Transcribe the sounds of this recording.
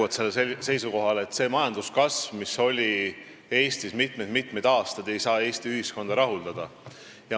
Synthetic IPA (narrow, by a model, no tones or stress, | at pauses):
ɑd̪̥se̞lːese̞jsuko̞ɦɑleːt̪ːse̞ːmɑjɑnd̪̥uskɑsvmiso̞lʲi | e̞ːst̪ismit̪mejd̪̥mit̪ˑmejd̪̥ɑːst̪ɑd̪e̞jsɑːe̞ːst̪iyhisko̞nd̪̥ɑɾɑɦuld̪̥ɑd̪̥ɑ | jɑ